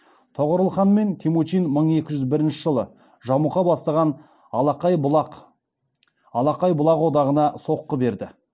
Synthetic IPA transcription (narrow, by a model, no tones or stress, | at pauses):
t̪ʰoʁəɾəlˠχɑnme̞nt̪ʰimot͡ʃijnməɴe̞kʲɪʒʏzbɪɾɪnʃɪʒəlˠə | ʒɑmuqɑbɑst̪ɑʁɑn | q | ɑlˠɑqɑjbʊlˠɑqwo̞d̪ɑʁənɑso̞qːəbe̞ɾd̪ɪ